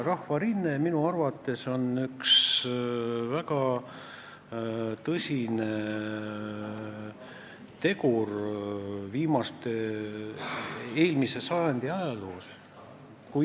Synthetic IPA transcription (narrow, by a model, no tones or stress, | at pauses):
rɑhvɑɾinːeminuɑrvɑt̪ːˑe̞so̞nyks | vækɑ | t̪ɤsʲine | t̪e̞kur | viːmɑst̪e̞ | e̞ːlmise̞sɑjɑnd̪̥iɑjɑloːs | ku